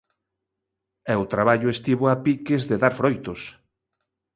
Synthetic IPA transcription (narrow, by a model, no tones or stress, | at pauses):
ɛʊt̪ɾaβaʎʊest̪iβoapikezðeðaɾfɾojt̪os